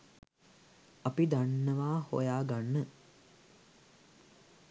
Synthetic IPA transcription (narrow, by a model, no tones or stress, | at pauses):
ɐpid̪anːəʋaːho̰jaːɡanːə